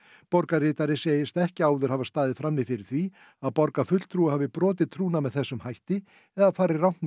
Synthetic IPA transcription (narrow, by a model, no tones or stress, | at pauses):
pɔɾkarɪːt̪aɾɪseːjɪst̪aɛhcɪaːwðʏɾ̥havast̪aːðɪðfɾamːɪfɪɾɪɾ̥θvi | aðpɔɾkafʏt̪l̥t̪ʰɾuːahaːvɪpɾɔːt̪ɪt̪ʰɾuːnamɛðθɛsːʏmhajht̪ɪ | ɛðaðfaːɾɪrawt̪